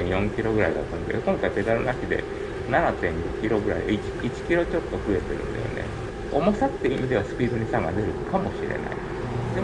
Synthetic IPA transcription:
ẽjõ̞ŋkʲiɾo̞ɡɯ̟ɾaid̪a̰t̪ːand̪ekõ̞ŋkait̪e̞d̪aɾɯnakʲid̪e̞̰ | nanat̪ẽ̞ŋɡokʲiɾo̞ɡɯ̟ɾa̰id̪ii̥it͡ɕi̥kʲiɾo̞t͡ɕo̞t̪ːo̞ɸɯ̟e̞t̪e̞ɾɯ̟̃nd̪a̰jo̰ne̞̰ | omosat̪ːeimʲid̪e̞βasɨ̥pʲiːd̪o̞ɲ̟isãŋɡad̪e̞ɾɯ̟kʰamo̞ɕiɾe̞̰na̰ḭ | e

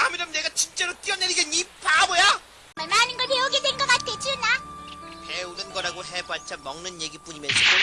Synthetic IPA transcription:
amiɾɯmneɡat͡ɕint͡ɕ͈e̞ɾot͈iʌneɾiɡenipʰabʌja | maɭmaɦanɯnɡʌɭpeoɡedwenɡʌk͈at̚t͈ʰet͡ɕɯnaheunɯnɡʌɾaɡoɦebaɭt͡ɕʰamʌŋnɯnje̞ɡip͈uɲimjʌnsʰʌ

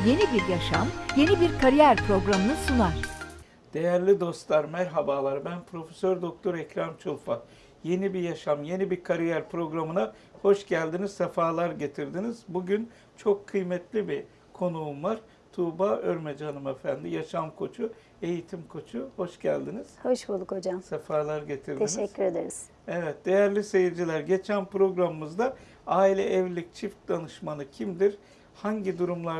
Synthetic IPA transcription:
je̞nibiɾjaʃamje̞nibiɾkʰaɾijæɾpɾo̞ɡɾamɯnɯsunaɾ̥ | d̪̥e̞jæɾlʲid̪o̞st̪lˠaɾmæɾɦabaːlˠaɾbænpʰɾo̞fesøɾd̪o̞k̚t̪ʰo̞ɾɛcɾamt͡ʃʰɯlˠfa | je̞nibijaʃamje̞nibiɾkʰaɾijæɾpɾo̞ɡɾamɯna | ho̞ʃɟælʲd̪iniz̥sefaːlˠaɾɟe̞t̪ʰiɾd̪iniz̥buɟyn | t͡ʃʰo̞kʰːɯjmɛt̪lʲibi | kʰo̞nuːmvaɾ | t̪ʰuːbaøɾmed͡ʒanɯmefænd̪ijaʃamkʰo̞t͡ʃʰu | e̞jit̪ʰimkʰo̞t͡ʃʰuho̞ʃɟæ̰lʲd̪iniz̥ho̞ʃbulˠukʰod͡ʒamsefaːlˠaɾɟe̞t̪ʰiɾd̪eiʃɛczʲːyɾed̪eɾiz̥ | evɛt̪̚d̪̥e̞jæɾlʲise̞jiɾd͡ʒilʲæɾɟe̞t͡ʃʰænpɾo̞ɡɾamɯmɯzd̪a | aːilʲɛʔɛvlʲic̚t͡ʃʰift̪̚d̪anɯʃmanɯcʰimd̪iɾ | haɲɟid̪uɾumlˠa

